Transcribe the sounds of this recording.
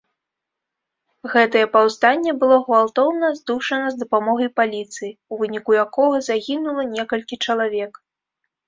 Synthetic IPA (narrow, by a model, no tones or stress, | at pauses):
ɣɛt̪ɐjɛpawst̪anʲːɛbɨlˠɔɣvalˠt̪ɔwnɐzd̪uʂɐnɐzd̪ɐpamɔɣɐjpalʲit̪sɨjiuvɨnʲikujakɔɣɐzaɣʲinulˠɐnʲɛkɐlʲkʲit͡ʂɐlˠavʲɛk